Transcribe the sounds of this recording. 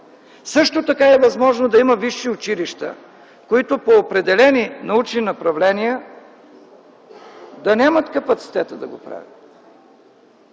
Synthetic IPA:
sɤʃt̪ot̪ɐkaɛvɐzmɔʒnod̪ɐimɐviʃːiʊt͡ʃiliʃt̪ə̰ | koit̪opoːpɾɛd̪ɛlɛninɐut͡ʃninɐpɾɐvlɛnijə | d̪ɐnʲamət̪kɐpɐt̪si̥t̪ɛt̪əd̪ɐɡopɾa̰vʲə̰t̪

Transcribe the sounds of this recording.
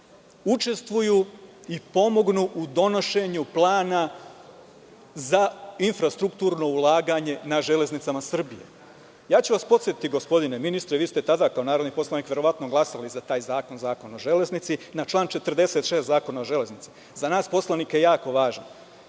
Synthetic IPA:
ut͡ʃe̞st̪ʋujuipo̞mo̞ɡnuʔud̪o̞no̞ʃe̞ɲuplˠaːna | zainfɾast̪ɾukt̪uːɾno̞ulˠaːɡaɲe̞naʒe̞le̞znit̪samasr̩bijḛ | jaːt͡ɕuʋaspo̞t̪sjet̪it̪iɡospo̞d̪ine̞minist̪ɾeʋiːst̪e̞t̪ad̪akao̞naːɾo̞d̪nipo̞slˠaniːkʋje̞ɾo̞ʋat̪no̞ɡlˠasalizat̪aːjzaːko̞nzaːko̞no̞ʒe̞le̞znit̪sinat͡ʃlˠaːnt͡ʃe̞t̪rd̪e̞set̪ʃeːst̪zaːko̞naoʒe̞le̞znit̪si̥ | zanaːspo̞slˠaniːkje̞jaːko̞ʋaːʒan

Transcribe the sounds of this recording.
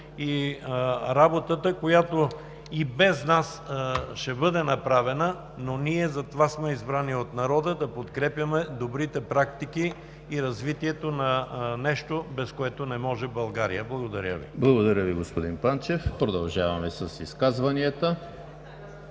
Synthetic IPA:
i | ɾabot̪ət̪əkojat̪o | ibɛznasʃɛbɤd̪ɛnɐpɾavɛnə | noniɛzɐt̪ovasmɛizbɾaniot̪nɐɾɔd̪əd̪ɐpot̪kɾɛpjɐmɛd̪obɾit̪ɛpɾak̚t̪ik̟iː | ɾɐzvit̪iɛt̪onɐnɛʃt̪obɛskoɛt̪onɛmɔʒɛbɐlˠɡaɾḭjəblˠɐɡod̪ɐɾʲjəvḭblˠɐɡod̪ɐɾʲəviɡospod̪inpant͡ʃɛfpɾod̪ɐlˠʒavɐmɛsɐsiskazvɐniət̪ə

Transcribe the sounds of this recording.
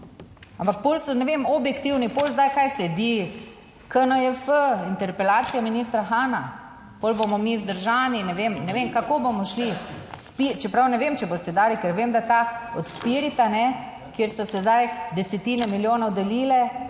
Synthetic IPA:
ampak̚poːlsɔnɛʋemɔbjɛkt̪iwnipoːlzd̪ajkajslɛd̪i | kənəɛfəint̪ɛɾpɛlaːt̪sijaminiːst̪ɾaxaːna | polbomɔmizd̪əɾʒaːninɛʋemnɛʋemkakobomɔʃlispit͡ʃɛpɾawnɛʋemt͡ʃɛbost̪ɛd̪aːlikɛɾʋemd̪at̪aɔt̪spiɾit̪anɛ | kjeɾsɔsɛzd̪ajd̪ɛsɛt̪iːnɛmiljoːnɔwd̪ɛliːlɛ

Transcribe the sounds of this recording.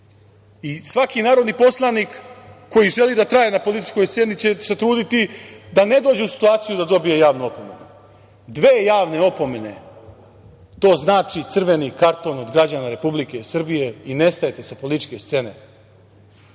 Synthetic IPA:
isʋakinaːɾo̞d̪nipo̞slˠaniːkːo̞jiʒe̞lid̪at̪ɾaje̞napo̞lit̪i̥t͡ʃko̞jst̪se̞nit͡ɕe̞se̞t̪ɾuːd̪it̪id̪ane̞d̪o̞ːd͡ʑeusi̥t̪uaːt̪sijud̪ad̪o̞bije̞jaːʋnuo̞po̞me̞̰nu | d̪ʋeːjaːʋne̞opo̞me̞ne̞̰ | t̪o̞ːznaːt͡ʃit̪sr̩ʋe̞nikaɾt̪o̞no̞d̪ɡɾad͡ʑanaɾe̞publike̞sr̩bije̞ine̞st̪aje̞t̪e̞sapo̞lit̪i̥t͡ʃke̞st̪se̞ne̞̰

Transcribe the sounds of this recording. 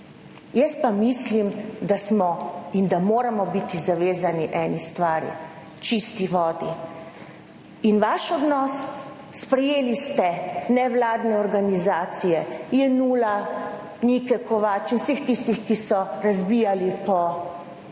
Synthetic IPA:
jəst̪̚pamislimd̪asmɔind̪amoːɾamɔbit̪izaʋeːzaniʔɛnist̪ʋaːɾḭ | t͡ʃist̪iʋɔːd̪i | inʋaʃɔd̪nɔsː | pɾɛjeːlist̪ɛnɛʋlaːd̪nɛɔɾɡanizaːt̪sijɛjɛnuːla | nikɛkɔʋaːt͡ʃinwsext̪ist̪ixkisɔɾazbijalipɔ

